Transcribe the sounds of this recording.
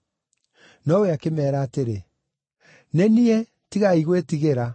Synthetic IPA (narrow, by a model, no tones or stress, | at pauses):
nɔoweakemɛːɾaːteɾe | nɛniɛ | tiɣaiɣwetiɣeɾa